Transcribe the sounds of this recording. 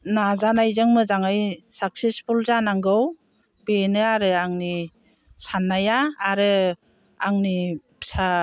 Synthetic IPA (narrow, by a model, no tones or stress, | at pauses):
nazanajzɯŋmɯzaŋajsak̚sespʰulzanaŋɡɯw | benɯaɾɯaŋni | sanːajaːɾɯ | aŋni | sa